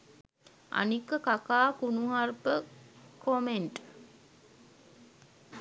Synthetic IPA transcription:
ʔa̰nikːəkakaːkunuɦaɾpəkomeɳʈ

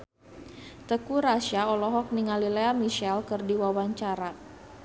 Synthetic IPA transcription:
t̪əkuɾaʃaɔlɔɦɔk̚niŋalileamiʃɛlkərdiwawaɲt͡ʃaɾa

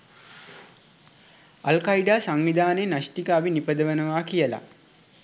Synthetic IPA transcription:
ɐlkɐiɖaːsaŋʋid̪ʱaːnenaʃʈikəaʋinipəd̪əʋənəʋaːkijəla̰

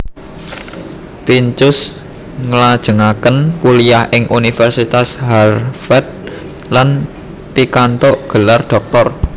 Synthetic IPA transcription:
piɲt͡ʃʊs | ŋəlad̥ʒ̥ə̤ŋakənkuliahʔɪŋʔunifɛrsit̪asharfɛt̪̚ | lan | pikant̪oʔɡ̥ə̤lard̪̥ɔ̤k̚t̪ɔr

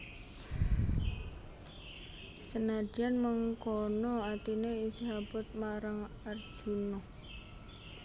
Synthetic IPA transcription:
sənad̥ianməŋkɔnɔat̪ineisiɦabʊt̪̚maɾaŋ | ar̥d͡ʒ̥unɔ

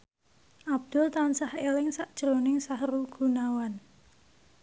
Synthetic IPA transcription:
ʔab̥̚d̪̥ʊ̤lt̪ansahelɪŋsaʔd̥ʒ̥əɾonɪŋsahɾuɡ̥ṳnawan

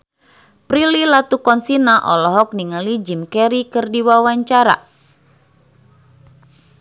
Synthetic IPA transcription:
pɾililat̪ukɔnsinaʔɔlɔɦɔk̚niŋəlid͡ʒimkɛɾikərdiwawaɲt͡ʃaɾa̰

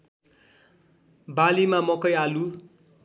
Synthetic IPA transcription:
balimamʌkʌjalu

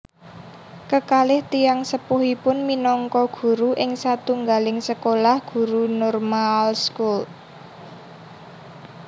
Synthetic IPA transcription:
kəkalɪht̪ijaŋsəpuɦipʊnminɔŋkɔɡ̥ṳɾuʔɪŋsat̪uŋɡalɪŋsəkolahɡ̥ṳɾunɔrmalskul

